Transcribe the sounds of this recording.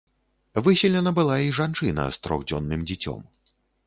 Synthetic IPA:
vɨsʲɛlʲɛnɐbɨlˠaiʐant͡ʂɨnɐ̰st̪ɾɔ̰ɣd͡zʲɔnːɨmd͡zʲit͡sʲɔ̰m

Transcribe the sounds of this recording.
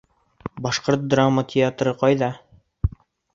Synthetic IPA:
bɑʃqoɾt̪̚d̪ramːət̪ʲʰɪat̪ɾɤqɑjðɑ

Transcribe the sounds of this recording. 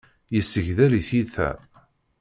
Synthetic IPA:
jəsːəʝðæliθiθæ̰

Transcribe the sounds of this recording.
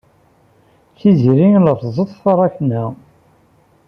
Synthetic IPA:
θiziɾiŋləfzˤəðˤθɑɾˤɑçnæ

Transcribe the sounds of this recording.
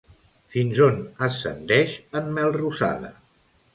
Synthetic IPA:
finzonəsə̰nd̪ɛʃəmːɛlˠrusa̰ðə̰

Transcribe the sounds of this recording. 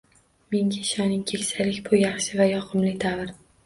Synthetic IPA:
meŋɡʲaʃɒnɪŋkʲʰekʲsalɪkʲpʰʊjɑχʃɪvajɒqʰʊmlɪt̪ʰavɪɾ

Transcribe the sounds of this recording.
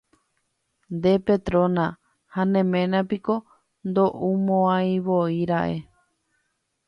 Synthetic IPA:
nd̪e̞pet̪ɾõnã | hanẽ̞mẽ̞nãpiko̞ | nd̪o̞ʔumõãj̃βoiɾaʔe̞

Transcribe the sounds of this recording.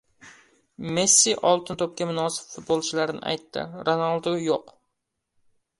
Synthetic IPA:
mesːiʔɑlˠt̪ʰɨnt̪ʰop̚kʲɛmunɑːsɨ̥pfut̪̚bolˠt͡ʃʰilæɾɪnɪ̰ʔɛ̰jt̪ʰːɪ̰ɾonɑlˠd̪ojoq

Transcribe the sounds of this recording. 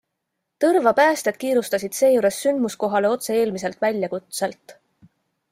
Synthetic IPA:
t̪ɤrvɑpæːst̪ed̪̥̚kiːɾust̪ɑsʲid̪̥se̞ːjuːɾe̞sːynd̪musko̞ɦɑle̞o̞t̪se̞e̞ːlmise̞lt̪ˑvælʲjɑkut̪selt̪ˑː

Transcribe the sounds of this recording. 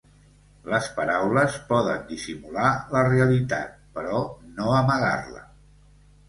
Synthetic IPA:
ləspəɾawləspɔðə̰nd̪isimulaləreəlit̪a̰t̪̚pəɾɔnoəməɣa̰rlə̰

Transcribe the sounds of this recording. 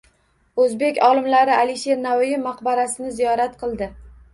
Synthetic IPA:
ɵzbe̞kʲɒlˠɪmlaɾɪaliʃe̞ɾnawjɪmːɑqbaɾasɪnɪzijɒɾat̪qʰɨlˠd̪ɪ

